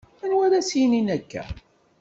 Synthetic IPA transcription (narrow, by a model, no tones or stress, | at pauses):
ænwæɾæsininækːæ̰